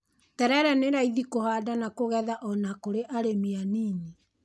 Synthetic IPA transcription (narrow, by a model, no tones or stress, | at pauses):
tɛɾɛɾɛneɾaiðikohaːdanakoɣɛðaʔɔnakoɾeʔaɾemianiːni